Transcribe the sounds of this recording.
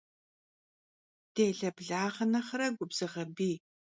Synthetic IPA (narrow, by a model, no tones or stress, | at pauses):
d̥eːɮɐbɮaːʁɐnɐχɐɾɐɡʷʊbz̥ɨʁɐbiː